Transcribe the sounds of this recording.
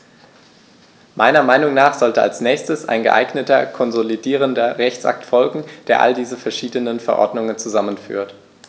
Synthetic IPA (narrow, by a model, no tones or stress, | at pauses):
mʔaɪnɐmaɪnʊŋnaːχz̥ɔltəa̰lsnɛːçstəsʔa̰ɪnɡə̰ʔa̰ɪɡnətɐkʰɔnzolidiːʁ̞əndɐʁɛçtt͡sʔa̰k̚tfɔlɡŋ̩d̥eːɐʔa̰ldiːzəfɛɐʃiːdənənfɛɐʔɔ̰ɐdnʊŋənt͡suzamənfy̰ːɐt